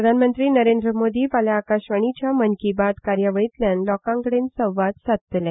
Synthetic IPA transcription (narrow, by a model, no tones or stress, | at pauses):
ɾəd̪ʱanmənt̪ɾiːnəɾend̪ɾəmod̪iːpaljaːkaɕʋəɳ̃it͡ɕjamənkibat̪kaɾjaʋəɭit̪ljanlɔkãŋkəɽensə̃wʋat̪sat̪t̪lɛ̃